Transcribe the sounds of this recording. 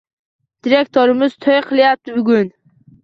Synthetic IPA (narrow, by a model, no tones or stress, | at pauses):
d̪̥iɾekʲt̪ʰoɾɪmɪz̥t̪ʰojqʰɨlˠjap̚t̪ʰɪbʊɡʲʊn